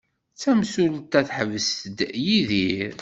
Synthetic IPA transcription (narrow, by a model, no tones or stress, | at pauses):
t͡sːæmsult̪æθħəvəsəd̪jiðiɾ